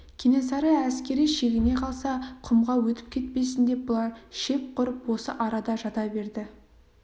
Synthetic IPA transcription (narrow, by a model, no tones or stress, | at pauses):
kʲʰene̞sɑɾəæskʲe̞ɾijʃe̞ɡʲɪne̞qʰɑlˠsɑqʰʊmʁɑwɵt̪ɪ̥p̚kʲʰe̞t̪̚pe̞sɪnd̪e̞p̚bʊlˠɑɾʃe̞p̚qʊɾəpwo̞səʔɑɾɑd̪ɑʒɑt̪ɑbe̞ɾd̪ɪ